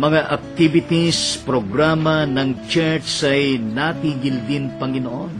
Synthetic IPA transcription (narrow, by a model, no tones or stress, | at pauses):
mɐŋaʔɐk̚t̪ibɪt̪ispɾoɡɾamɐnɐŋt͡ʃɛɹsɐjnat̪iːɡɪld̪ɪnpɐŋɪnoʔon